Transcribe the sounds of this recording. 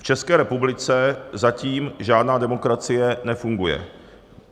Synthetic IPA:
ft͡ʃɛskɛːɾɛpublɪt͡sɛzaciːmʒaːdnaːdɛmo̞kɾat͡sɪjɛnɛfuŋɡujɛ̰

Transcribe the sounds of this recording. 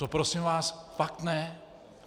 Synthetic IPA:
opɾosimvaːsfak̚t̪nɛ

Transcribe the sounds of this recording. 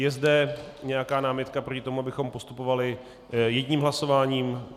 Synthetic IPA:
jɛzdɛɲɛjakaːnaːmɪt̪kapɾo̞cɪt̪o̞muabɪxo̞mpo̞st̪upo̞valɪ | jɛɟɲiːmɦlaso̞vaːɲiːm

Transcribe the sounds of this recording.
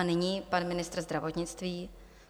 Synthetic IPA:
anɪɲiːpanmɪnɪst̪ɾrzd̪ɾavot̪ɲɪt͡st̪viː

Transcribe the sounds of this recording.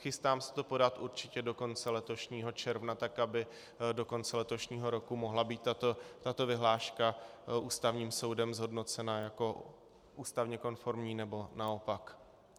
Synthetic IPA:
xɪst̪aːmsɛ̥t̪o̞po̞dat̪ʔuɾt͡ʃɪcɛdo̞ko̞nt͡sɛlɛt̪o̞ʃɲiːɦo̞t͡ʃɛɾvnat̪akabɪ | do̞ko̞nt͡sɛlɛt̪o̞ʃɲiːɦo̞ɾo̞kumo̞ɦlabiːt̪ːat̪ot̪at̪o̞vɪɦlaːʃkaʔuːst̪avɲiːmso̞wdɛmzɦo̞dno̞t͡sɛnajako̞ | ʔuːst̪avɲɛko̞nfo̞ɾmɲiːnɛbo̞nao̞pak

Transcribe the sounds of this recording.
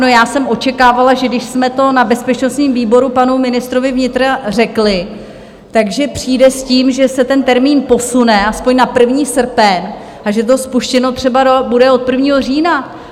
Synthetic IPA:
no̞jaːsɛmʔo̞t͡ʃɛkaːvalaʒɛdɪʃsmɛt̪o̞nabɛspɛt͡ʃnost̪ɲiːmviːbo̞ɾupanumɪnɪst̪ɾo̞vɪvɲɪt̪ɾar̝ɛklɪ | t̪aɡʒɛpr̝̥iːdɛsciːmʒɛsɛt̪ɛnt̪ɛɾmiːnpo̞sunɛʔaspo̞ɲnapr̩vɲiːsr̩pɛn | ʔaʒɛt̪̬o̞spuʃcɛno̞t̪r̝̥ɛbadobudɛo̞t̪̚pr̩vɲiːɦo̞riːna

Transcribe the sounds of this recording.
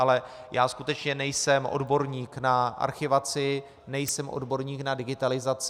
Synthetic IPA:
ʔalɛ | jaːskut̪ɛt͡ʃɲɛnɛjsɛmʔo̰dbo̞ɾɲiːknaʔa̰ɾxɪvat͡sɪ | nɛjsɛmʔo̞̰dbo̞ɾɲiːknadɪɡɪt̪alɪzat͡s

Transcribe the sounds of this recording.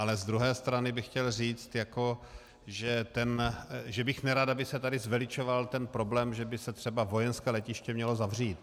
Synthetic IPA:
ʔalɛzd̪ɾuɦɛːst̪ɾanɪbɪxcɛlriːt͡st̪jako̞ | ʒɛt̪ɛnʒɛbɪxnɛɾad̪abɪsɛt̪adɪzvɛlɪt͡ʃo̞valt̪ɛnpɾo̞blɛːmʒɛbɪsɛt̪r̥ɛbavo̞jɛnskɛːlɛcɪʃcɛmɲɛlo̞zavriːt̪

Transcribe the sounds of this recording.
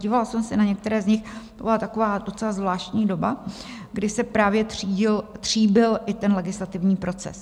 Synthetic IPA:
ɟiːvalsɛmsɛnaɲɛk̚t̪ɛɾɛːzɲɪxt̪obɪlat̪ako̞vaːdo̞t͡sɛlazvlaːʃcɲiːdo̞ba | ɡdɪsɛpɾaːvjɛt̪riːɟɪlt̪r̝̥iːbɪlʔɪt̪ɛnlɛɡɪslat̪ɪvɲiːpɾo̞t͡sɛ̰s

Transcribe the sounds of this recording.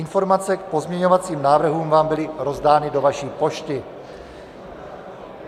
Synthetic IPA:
ɪnfo̞ɾmat͡sɛk̚po̞zmɲɛɲo̞vat͡siːmnaːvr̩ɦuːmvaːmbɪlɪɾo̞zdaːnɪdovaʃiːpo̞ʃt̪ɪ

